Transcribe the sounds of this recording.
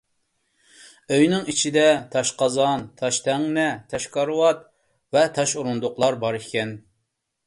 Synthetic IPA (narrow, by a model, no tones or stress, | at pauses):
øjnɪŋit͡ʃʰid̪ɛt̪ʰɑʃqɑzɑnt̪ʰɑʃt̪ʰɛŋnɛt̪ʰɛʃkɑɾwɑt̪̚ | vɛt̪ʰɑʃuɾund̪ʊqlˠɑɾbɑɾikʲɛn